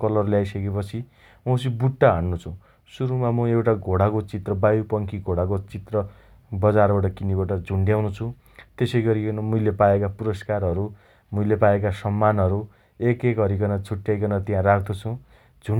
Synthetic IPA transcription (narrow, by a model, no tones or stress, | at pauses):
kʌlʌrlajsʌkepʌt͡sʰi | mʌ̃sibuʈːaɦʌɳːut͡sʰu | suɾumamʌewʈaɡʱoɽakot͡sit̪rʌbajupʌŋkʰiɡʱoɽakot͡sit̪rʌ | bʌd͡zarbaʈ̬ʌkinibaʈʌd͡zʱuɳɖjawnut͡sʰũ | t̪esʌjɡʌɾinmuilepaekapuɾʌskarɦʌɾu | mulepaekasʌmːanɦʌɾu | ekekʌɾikʌnʌt͡sʰuʈjajkʌnʌt̪jãɾakʰd̪ot͡sʰũ | d͡zʱu